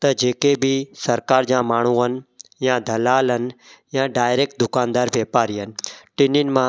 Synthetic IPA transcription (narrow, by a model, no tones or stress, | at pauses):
t̪əd͡ʒeːkebʱisəɾkaːɾd͡ʒãmaːɳ̤̃ũən̆jãːd̪ʱəlaːlən̆jãɖaːjɾek̚ʈ̚d̪ʊkãːnd̪aːɾʋjeːpaːɾiənɪ̆ʈɪninmã